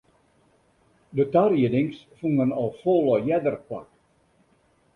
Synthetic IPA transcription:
dətarjidɪŋsfuŋɡənɔlˠfolˠɔjɛdərkwa̰k

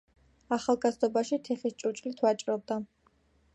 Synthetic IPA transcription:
aχalˠɡazd̪ɔbaʃit̪ʰɛχist͡ʃʼut͡ʃʼlit̪ʰwat͡ʃʼɾɔb̚d̪a

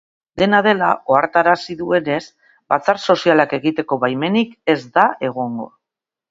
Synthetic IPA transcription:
d̪e̞nað̞e̞lao̞aɾt̪aɾasiðue̞ne̞s | bat͡sarso̞sialake̞ɣit̪e̞ko̞βajme̞nike̞zd̪ae̞ɣ̞o̞ŋɡo̞

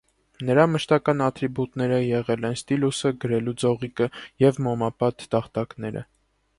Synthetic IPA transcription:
nəɾɑməʃt̪ɑkɑnɑt̪ʰɾibut̪nɛɾəjɛʁɛlɛnst̪ilusəɡəɾɛlud͡zɔʁikəjɛvmɔmɑpɑt̪ːɑχt̪ɑknɛɾə̰

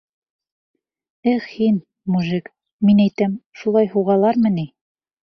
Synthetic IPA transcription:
ɘχhin | muʒɘk | minæjt̪æmʃulˠɑjhuʁɑlˠɑɾmɤ̆ni

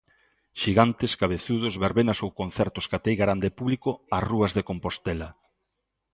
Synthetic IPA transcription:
ʃiɣant̪eskaβ̞eθuð̞ʊzβeɾβenasowkonθɛɾt̪ʊskat̪ejɣaɾand̪epuβlikoaruɐzðekompost̪ɛla

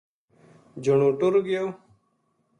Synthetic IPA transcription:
d͡ʒʱəɳoːʈʊɾɡɪjoː

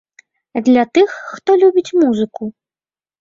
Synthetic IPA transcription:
d̪lʲat̪ɨxːt̪ɔlʲubʲit͡sʲmuzɨku

